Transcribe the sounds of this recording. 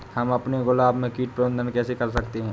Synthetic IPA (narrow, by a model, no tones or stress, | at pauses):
hɐmɐpneɡʊlaːbmẽkiːʈ̚pɾəbə̃nd̪ʱənkɛːsekɐɾsɐkt̪eɦɛ̃ː